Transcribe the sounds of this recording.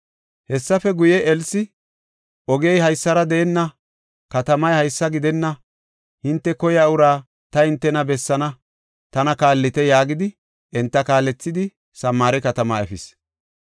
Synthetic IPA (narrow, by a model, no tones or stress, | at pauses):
hɛsːɐfɛɡʊjɛɛlsɪ | ʔɔɡejhɐjsːɐɾɐd̪ɛɛnːɐ | kɐt̪ɐmɐjhɐjsːɐɡɪd̪ɛnːɐ | hɪnt̪ːɛkɔjaʊɾaː | t̪ɐɪnt̪ːɛnɐbɛsːɐnɐ | t̪ɐnɐkaːlːɪt̪ɛjaːɡɪd̪ɪ | ʔɛnt̪ːɐkaːlːɛt͡sːɪd̪ɪ | sɐmːaːɾɛkɐt̪ɐmaɛfɪs